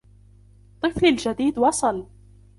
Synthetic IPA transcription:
t̪ˤɨflald͡ʒad̪iːd̪wɑsˤɑl

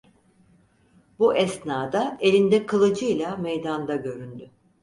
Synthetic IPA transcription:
buʔɛsnaːd̪ae̞lʲind̪ɛkʰɯlˠɯd͡ʒɯjlʲˠamɛjd̪and̪aɟø̞ɾynd̪y

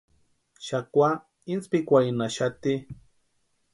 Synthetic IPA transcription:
ʃakʷa | int͡spikʷainaʃat̪i

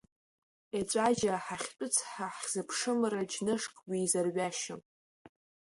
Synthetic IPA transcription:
et͡ʃʷʼaʒaħaχʲt͡pʷʼʊt͡sʰħaħz̥ɨpʰʂɨmrad͡ʒnɨʂkʼwiːzarɥaʃɪm

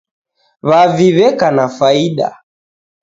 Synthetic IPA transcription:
βaviβɛkanafaiɗa̰

